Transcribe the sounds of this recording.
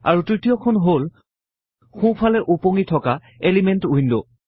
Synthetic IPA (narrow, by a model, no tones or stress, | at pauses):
a̰ɹutɹitijɔkʰɔnɦol | xũpʰalɛʔupoŋitʰɔka | elimɛntuindo